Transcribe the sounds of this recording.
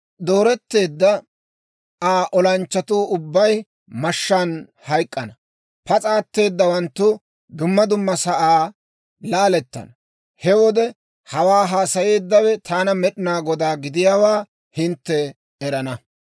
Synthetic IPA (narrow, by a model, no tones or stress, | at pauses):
d̪o̞ːɾɛt̪ːe̞ːd̪ːɐ | aːʔɔlɐnt͡ʃːɐt̪uːʊbːɐj | mɐʃːaːn | hɐjkʼːɐnɐ | pɐt͡sʼaːt̪ːe̞ːd̪ːɐwɐnt̪ːʊ | d̪ʊmːɐd̪ʊmːɐsɐʔaː | laːlɛt̪ːɐ̰nɐ | hɛwɔd̪ɛ | hɐwaːɦaːsɐje̞ːd̪ːɐwɛt̪ʰaːnɐmɛɗɪnaːɡɔd̪aːɡɪd̪ɪjaːwaː | hɪnt̪ːɛː | ɾɐnɐ